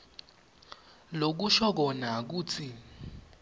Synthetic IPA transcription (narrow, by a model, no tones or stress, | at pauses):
lok̬uʃɔk̬ɔnak̬uːt͡sʰi